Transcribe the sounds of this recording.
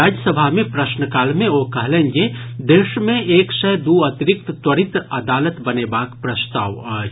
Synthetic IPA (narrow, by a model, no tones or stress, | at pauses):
aːd͡ʒjəsəbʱaɦmẽpɾəʃnəkaːlmẽoːkɐɦlẽːŋɡed̪eːʃmẽʔeːksɛɦd̪uɐt̪ɪɾɪk̚t̪t̪wəɾɪt̪ɐd̪aːlət̪bɐneːbaːkpɾəst̪aːʋɐː